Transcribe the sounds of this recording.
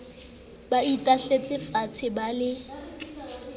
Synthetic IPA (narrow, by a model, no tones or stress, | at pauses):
baitʼaɬet͡sʼɪfat͡sʰɪbalɪ